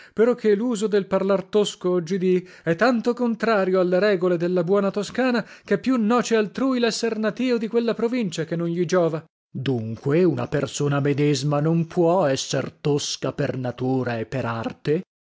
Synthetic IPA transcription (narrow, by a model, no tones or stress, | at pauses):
peɾɔkʰːelːuːzod̪elparlart̪oskoɔd͡ʒːid̪i | ɛt̪ːant̪okont̪ɾaːɾjoalːeɾɛːɡoled̪elːabwɔːnat̪oskaːnak̟epːjunːɔːt͡ʃealt̪ɾuːjlɛsːernat̪iːvod̪ikwelːapɾovint͡ʃakenːonʎid͡ʒɔːva | d̪uŋkweuna̰persoːnamed̪ezmanompʰwɔɛsːḛrt̪oskapernat̪uːɾaepːeɾa̰rt̪e